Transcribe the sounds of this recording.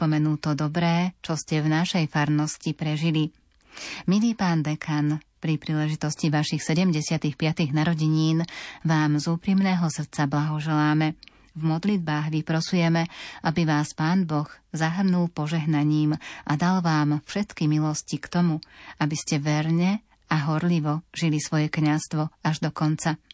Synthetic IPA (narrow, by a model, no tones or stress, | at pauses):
pɔmɛnuːt̪ɔd̪ɔbɾɛːt͡ʃɔscɛvnaʃɛjfaɾnɔscipɾɛʒili | miliːpaːnd̪ɛkʰan | pɾipɾiːlɛʒit̪ɔsciʋaʃixsɛɟɛmɟɛsɪat̪ixpɪat̪iɣnaɾɔɟiɲiːnʋaːmzuːpɾiːmnɛːɦɔsr̩t̪t͡sablaɦɔʒɛlaːmɛ | vmɔd̪lid̪̚baːɣʋipɾɔsujɛmɛʔabiʋaːspaːnbɔxzaɦr̩nulpɔʒɛɦnaɲiːmʔad̪alʋaːmfʃɛt̪kimilɔscikt̪ɔmuabiscɛʋɛɾɲɛ | aɦɔɾliʋɔʒilisʋɔjɛkɲast̪ʋɔaʒd̪ɔkɔnt͡sa